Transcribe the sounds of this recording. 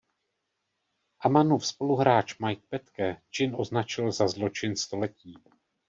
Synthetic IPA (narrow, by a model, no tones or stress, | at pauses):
ʔamanufspo̞luɦɾaːt͡ʃmajk̪̚pɛt̪kɛt͡ʃɪnʔo̞znat͡ʃɪlzazlo̞t͡ʃɪnst̪o̞lɛciː